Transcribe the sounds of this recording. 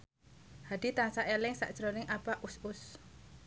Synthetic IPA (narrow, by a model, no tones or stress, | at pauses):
had̪̥it̪aŋsaʔelɪŋsa̰ʔd̥ʒ̥ɾonɪŋʔapaʔusʊs